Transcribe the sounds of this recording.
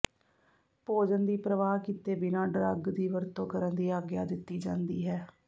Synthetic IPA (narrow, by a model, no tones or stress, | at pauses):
poːd͡ʒənd̪iːpɾəʋaːɦkit̪eːbɪnãːɖɾəɡd̪iːʋəɾt̪õːkəɾənd̪iːaːɡja̰ːd̪ɪt̪ːiːd͡ʒãːnd̪iːɦɛː